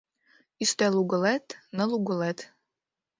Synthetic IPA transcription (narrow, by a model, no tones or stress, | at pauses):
ist̪ɛluɡə̆lɛt̪nə̆luɡɤ̆lɛt̪